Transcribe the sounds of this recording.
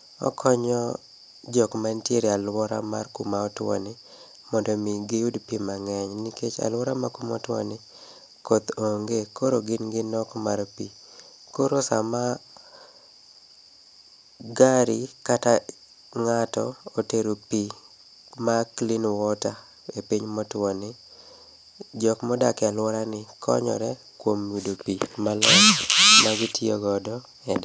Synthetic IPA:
ɔ̰kʰɔɲɔ | d͡ʒɔkmantjeɾialwɔɾa̰ma̰rkumaɔtwɔ̰nɪ | mɔndɔmiɡejudpimaŋɛɲniket͡ʃa̰lwɔɾamakumɔ̰twɔ̰nɪ | kot̪oŋɡekoɾoɡɪnɡɪnɔkmaɾpi | koɾosa̰ma | ɡaɾikata | ŋatɔ̰oteɾopi | maklɪnwɔta | epiɲmɔtɔnɪ | d͡ʒɔkmɔdakalwɔɾanɪkʰɔ̰ɲɔ̰ɾɛ | kwomwidopimalɔmaɡɪtɪɔɡɔdɔ | ɛda

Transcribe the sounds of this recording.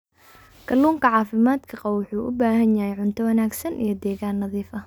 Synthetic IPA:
kʰɐluːŋkʰɐʕɑːfɪmaːd̪kʰɐqɑwwʊħuːʔʊ̰baːɦɐnjɐɦɛjʕʊnt̪ʰɔwɐnaːɡsɐnʔḭjɞd̪ɛːɣaːnːɐðiːfɐ

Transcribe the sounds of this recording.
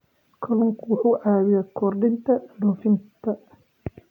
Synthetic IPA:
kʰɐlʊŋkʰwʊħuːʕaːβɪjɐkʰɔrɖɪnt̪ʰɐɖɔfɪnt̪ʰɐ

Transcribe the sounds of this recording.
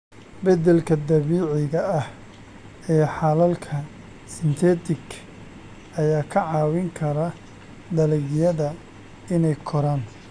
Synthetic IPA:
bɐd̪ɛlkʰɐd̪ɐβiːʕɪɣɐɐh | ɛːħɑlɐlkʰɐ | sɪnt̪ʰɛːt̪ʰɪkʰ | ʔɐjaːkʰɐʕɑːwɪŋkʰɐɾɐ | d̪ɐlɪɣjɐðɐ | ɪnɛjkʰɔɾaːn

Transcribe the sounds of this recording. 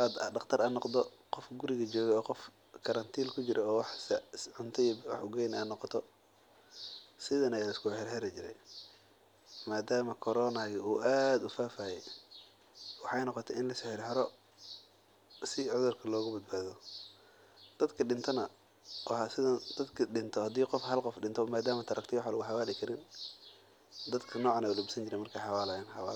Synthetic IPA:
ɑd̪ɖɑqt̪ʰɐɾʔɐnɔqd̪ɔ | qɔfɡʊɾɪɣɐt͡ʃɔːɣɛɔːqɔf | kʰɐɾɐnt̪ʰiːlkʰʊt͡ʃɪɾʔɛɔːwɑħssʕʊnt̪ʰɛjbwɑ̰ħʊɡɛjnaːnːɔqɔt̪ʰɔ | sɪðɐnɐjlɪskʊħɛrhɛɾɐt͡ʃɪɾɛ̰j | maːd̪aːmɐkʰɔɾɔːnaɣɛuːʔaːd̪ʊfaːfaːjɛj | wɑħɑjnɔqɔt̪ʰɛɪnlɐsɪħɪrħɪɾɔ | sɪʕʊðʊrkʰɐlɔːɣʊbɐd̪̚baːðɔ | d̪̥ɐd̪kʰɐɖɪnt̪ʰɐnɐ | wɑhɑsɪðɐd̪̥ɐd̪kʰɐɖɪnt̪ʰɔhɐd̪iːqɔfhɐlqɔfɖɪnt̪ʰɔmaːd̪aːmɐt̪ʰɐɾʔɐkt̪ʰɛwħalɐɣʊħɑwaːlɪkʰɐɾɪn | d̪ɐd̪kʰɐnɔːʕɑnɐlubsɐnt͡ʃɪɾɛjmɐrkʰɛjħɑwaːlɐjanħɑwa̰ːl

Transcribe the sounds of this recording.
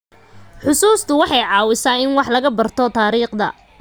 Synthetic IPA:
ħʊsuːst̪ʰʊwɑħɑjʕɑːwɪsaːɪnwɑħlɐɣɐbɐrt̪ʰɔt̪ʰaːɾiːqd̪ɐ̰

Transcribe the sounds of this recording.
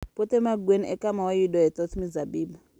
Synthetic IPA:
pɔtɛmaɡwenɛ̰kʼamawajiɗɔjɛt̪ʼɔt̪ʰmizabiːba

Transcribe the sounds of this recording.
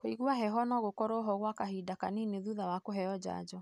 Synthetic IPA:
koiɣwaɦɛɦɔnɔɣokɔɾɔɦɔɣwakaɦidaka̰nineðuðawakoɦɛjɔd͡ʑa̰d͡ʑɔ

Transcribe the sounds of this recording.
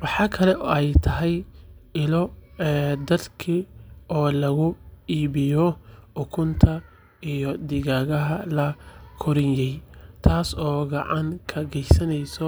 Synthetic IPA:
wɑħɑːkʰɐlɛʔɔɛjt̪ʰɐɦɛjɪlɔɛd̪ɐd̪kʰiʔɔːlɐɣʊiːβɪjɔʊkʰʊnt̪ʰɐ | ijɔd̪ɪɣaːɣɐɦɐlɐkʰʊɾɪnjɛjt̪ʰaːsɔːɡɑʕɑŋkʰɐɣɛjsɐnɛjsɔ

